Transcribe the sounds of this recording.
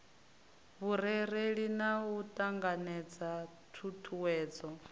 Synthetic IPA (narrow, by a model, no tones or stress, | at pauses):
βuɾɛɾeɺinawutʼaŋɡanɛd͡za | tʰutʰuwɛːd͡zɔ